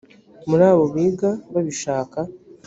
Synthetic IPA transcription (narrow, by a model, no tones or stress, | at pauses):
muɾaːβo̞βiːɡaβaβiʃaːka